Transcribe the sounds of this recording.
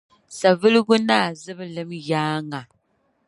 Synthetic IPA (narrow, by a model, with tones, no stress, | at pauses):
sa˨vɨ˦lɨ˦ɡʊ˦naː˦˨zɨ˦bɨ˦lɨ˦mjaː˦ŋa˨